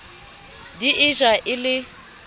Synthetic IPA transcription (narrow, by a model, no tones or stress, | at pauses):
diʔɪʒaʔɪlɪ